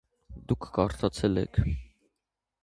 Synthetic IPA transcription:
d̪ukʰːɑɾt̪ʰɑt͡sʰɛlɛ̰kʰ

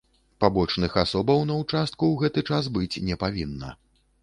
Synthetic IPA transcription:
pabɔt͡ʂnɨxasɔbɐwnɐwt͡ʂast̪̚kuwɣɛt̪ɨt͡ʂas̬bɨt͡sʲnʲɛpavʲinːɐ̰

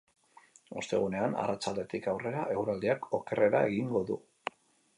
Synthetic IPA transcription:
o̞st̪e̞ɣune̞ana̰rat͡ʃald̪e̞t̪ikawre̞ɾaʔe̞ɣwɾald̪iako̞ke̞re̞ɾae̞ɣiŋɡo̞ðu

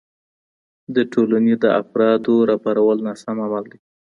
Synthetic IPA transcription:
d̪əʈʰolaned̪əafɾɑd̪oɾɑpaɾawəlnasamamald̪e

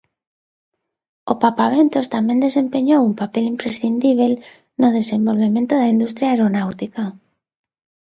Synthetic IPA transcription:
opapaβent̪ost̪amjẽnd̪e̞sẽ̞mpe̞ɲowumpapelimpɾesθind̪iβ̞el | noð̞e̞sẽ̞mbo̞lβ̞emẽnt̪oðaind̪ust̪ɾjaeɾonawt̪ika

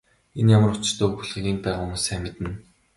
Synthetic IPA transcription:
enjamrə̆t͡ɕt̪oːɵxuɮʁĭɣʲiːŋ̚pæːʁʊmuːsæmʲɪ̆t̪ɘ̆n

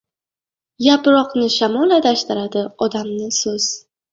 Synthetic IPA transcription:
japɾɒqnɪʃamɒlad̪aʃt̪ɪɾad̪ɪɒd̪amnɪsɵz̥

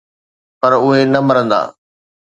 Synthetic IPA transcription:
pɐɾʊɦenɐmɐɾə̃nd̪a̰ː

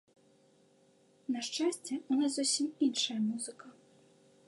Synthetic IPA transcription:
nɐʂt͡ʂasʲt͡sʲɛunaszɔsʲiminʂɐjɐmuzɨkɐ

